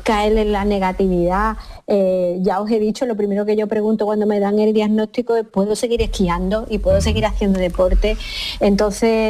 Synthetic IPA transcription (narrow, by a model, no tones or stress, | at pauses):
kaelellane̞ɣat̪iβiðaeʝao̞se̞ðit͡ʃo̞lo̞pɾime̞ɾoke̞ʝo̞pɾe̞ɣunt̪okwand̪ome̞ðaŋe̞ld̪jaɣno̞t̪ikoepwe̞ðose̞ɣiɾe̞hkiand̪o̞ʔipwe̞ðose̞ɣ̞iɾaθje̞nd̪oðe̞po̞ɾt̪e̞ent̪o̞θe̞